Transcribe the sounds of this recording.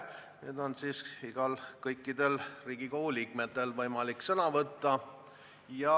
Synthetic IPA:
neːd̪o̞nsiːsiɡ̥ɑlkɤjkːˑid̪̥e̞lriːɡ̥ikouliːkmet̪ːe̞lvɤjmɑliksɤnɑvɤt̪ːɑ | jɑ

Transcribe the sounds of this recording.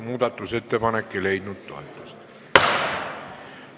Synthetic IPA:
muːt̪ɑt̪ːuset̪ːepɑnekːeleit̪nut̪t̪o̰et̪ːo̥st̪

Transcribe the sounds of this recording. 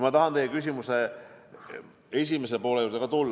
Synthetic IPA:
mɑt̪ɑɦɑnt̪ejːekys̬ʲimuse | e̞s̬ʲimes̬epo̞ːleuːɾd̪ekɑt̪ulː

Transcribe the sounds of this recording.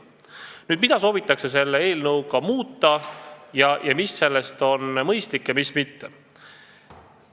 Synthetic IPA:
nyːd̪mid̪̥ɑso̞ːvit̪ːˑɑkse̞s̬e̞lːee̞ːlnɤwɡɑmuːt̪ːɑjɑjɑmisːe̞lːest̪o̞nmɤjst̪likːjɑmismit̪ːe

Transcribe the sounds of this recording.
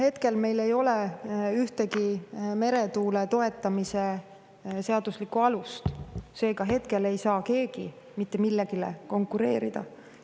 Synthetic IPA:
he̞t̪ke̞lme̞jle̞jo̞leyht̪eɡime̞ɾe̞t̪uːlet̪o̞e̞t̪ːˑɑmise | se̞ɑd̪̥uslikːuɑlust̪se̞ːɡɑɦe̞t̪̚ke̞le̞jsɑːke̞ːɡ̥i | mit̪ːe̞milːeɡ̥ilḛko̞ŋkːˑuɾe̞ːɾid̪̥ɑ̰

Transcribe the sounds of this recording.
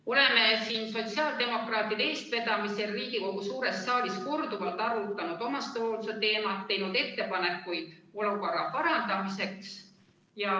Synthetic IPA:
o̞le̞me̞siːnso̞t̪siɑːld̪̥e̞mo̞krɑːt̪ːˑid̪ee̞ːst̪̚pe̞t̪ɑmiseriːɡ̥iko̞ɡ̥usuːɾe̞sːɑːlisko̞rd̪uvɑlt̪ɑɾut̪ːˑɑnud̪o̞mɑst̪oːlset̪e̞ːmɑt̪ːe̞jnud̪̥e̞t̪ːe̞pɑne̞kːˑujd̪̥o̞luko̞ɾːɑpɑɾɑnd̪̥ɑmise̞ks | jɑ

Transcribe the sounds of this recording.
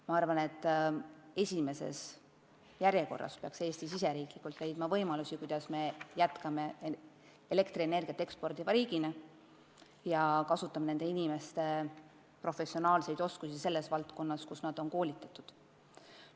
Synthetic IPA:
mɑɑrvɑne̞t̪ːˑ | e̞sʲime̞se̞̰s | jæɾjeko̞̰rːɑ̰speɑkseːst̪isise̞ɾiːklikːult̪le̞jd̪̥mɑvɤ̞jmɑlusikujd̪̥ɑsme̞jæt̪kɑme̞ | ele̞kt̪riene̞rɡ̥ʲiɑt̪ːˑeekspo̞rd̪ivɑɾiːɡine | jɑkɑsut̪ˑːɑmɑne̞nd̪̥e̞inime̞st̪e̞ | pro̞fe̞sionɑːlse̞jd̪o̞skusise̞lːe̞svɑlt̪ko̞nːɑskusnɑd̪̥o̞nko̞ːlʲit̪ːˑɑt̪ːˑud̪̥

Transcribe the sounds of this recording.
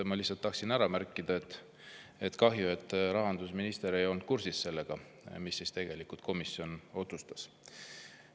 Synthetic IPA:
emɑlihsːɑlt̪ːɑhksinæɾɑmærkːˑid̪̥ɑet̪ː | et̪kɑɦjue̞t̪ːˑɾɑɦɑnd̪̥usminist̪e̞ɾejo̞lnt̪̚kursisse̞lːe̞ɡ̥ɑ | misːist̪e̞ɡ̥e̞likult̪̚kʰo̞misio̞no̞t̪sust̪ɑ̥s

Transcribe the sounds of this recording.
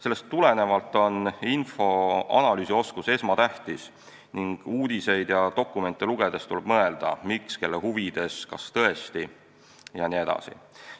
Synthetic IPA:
se̞lːe̞st̪ːule̞ne̞vɑlt̪ːˑo̞ninfo̞ɑ̰nɑlyːsio̞skuse̞smɑt̪æht̪is | niŋɡ̥uːd̪ise̞jd̪̥jɑt̪o̞kːˑume̞nt̪ːˑeluɡ̥e̞d̪̥e̞st̪ulɛb̥̚mɤe̞ld̪̥ɑ̰mikske̞lːehuvid̪̥e̞skɑst̪ɤ̞e̞st̪i | jɑnie̞d̪̥ɑ̰sḭ

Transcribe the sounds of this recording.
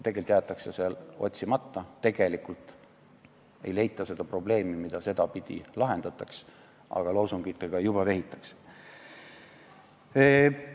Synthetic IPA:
t̪e̞ɡelt̪ːjɑt̪ːˑɑkseselo̞̰t̪ʲsimɑt̪ːɑt̪e̞ɡ̥e̞likult̪ˑ | e̞̰jle̞jt̪ˑːɑse̞d̪̥ɑpro̞ble̞ːmimid̪̥ɑse̞d̪̥ɑpid̪̥ḭlɑɦe̞nd̪̥ɑt̪ːˑɑks | ʔɑ̰ɡ̥ɑlowsuŋɡ̥it̪ːˑeɡ̥ɑjubɑveɦit̪ːˑɑ̥kse̥

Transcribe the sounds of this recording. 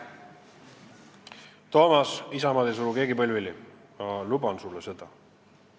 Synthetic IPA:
t̪o̞ːmɑsisɑmɑd̪esuluke̞ːɡipɤlʲvili | mɑlubɑnsulːese̞d̪̥ɑ

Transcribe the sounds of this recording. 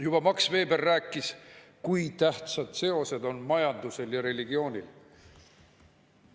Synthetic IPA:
jub̥ɑmɑksve̞ːbe̞rːæːkːˑiskujt̪æht̪sɑd̪̥se̞o̞se̞d̪o̞nmɑjɑnd̪̥use̞ljɑɾe̞liɡ̥io̞ːnʲil

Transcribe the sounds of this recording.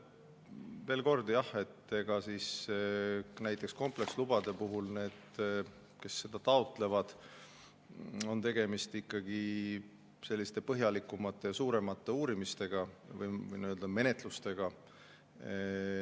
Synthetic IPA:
ve̞ːlko̞rd̪̥ijɑhe̞t̪ːe̞ɡ̥ɑsiːs | næjt̪ˑːeksko̞mple̞kslub̥ɑd̪e̞puɦulne̞ːd̪̥ | ke̞sːe̞d̪̥ɑt̪ɑot̪ˑle̞vɑd̪̥ | o̞nt̪e̞ɡ̥e̞mist̪ikˑːɑɡ̥i | se̞lʲːist̪e̞pɤɦjɑlikːˑumɑt̪ːˑe̞jɑsuːɾe̞mɑt̪ːˑe̞uːɾimist̪e̞ɡ̥ɑvɯjɯ̰jniøld̪̥ɑme̞ne̞t̪ˑlust̪e̞ɡ̥ɑ

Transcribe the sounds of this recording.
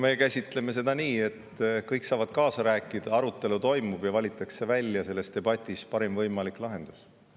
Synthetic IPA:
mekæsʲit̪ˑle̞me̞se̞d̪ɑniːe̞t̪ːkɤjksɑːvɑd̪̥̚kɑːsɑɾæːkːˑid̪̥ɑɑɾut̪ːˑe̞lut̪o̞jmub̥jɑvɑlʲit̪ːˑɑkse̞vælʲːjɑse̞lːe̞st̪e̞b̥ɑt̪ʲːˑispɑɾemvɤjmɑlikˑlɑɦe̞nd̪̥us

